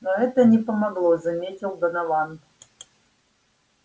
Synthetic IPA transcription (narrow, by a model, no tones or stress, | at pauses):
nɐɛt̪ənʲɪpəmɐɡlˠozɐmʲetʲɪlˠd̪ɐnɐlɑn